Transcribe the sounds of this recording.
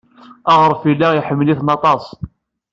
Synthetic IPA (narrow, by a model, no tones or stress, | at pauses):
ɑʁɾˤfilːæiħəmːliθnɑt̪ˤɑsˤ